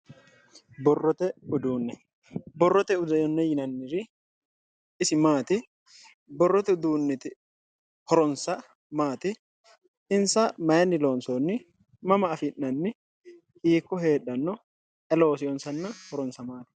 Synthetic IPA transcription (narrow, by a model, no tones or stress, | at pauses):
bɔrːɔt̪ɛʊd̪uːnːɛ | bɔrːɔt̪ɛʊd̪ɐjɔnːɛjɪnɐnːɪɾɪ | ɪsɪmaːt̪ɪ | bɔrːɔt̪ɛʊd̪uːnːɛt̪ɪ | hɔɾɔnsɐ | maːt̪ɪ | ɪnsɐmɐjɐnːɪlo̞ːnsonːɪ | mɐmɐːfɪnːɐnːɪ | iːkːɔɦe̞ːɗːɐnːɔ | ʔɛlo̞ːsɪjɔnsɐnːɐhɔɾɔnsɐmaːt̪ɪ̥